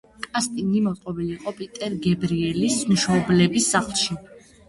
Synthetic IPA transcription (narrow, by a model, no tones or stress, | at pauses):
kʼast̪ʼinimɔt̪ʼqʼɔbiliːqʼɔpʼit̪ʼɛɾɡɛbɾiɛlismʃɔblɛbisːaχlˠʃi